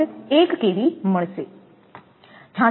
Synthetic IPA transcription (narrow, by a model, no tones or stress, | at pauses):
eːkkeːʋiməɳ̃seː | t͡ʃʰãː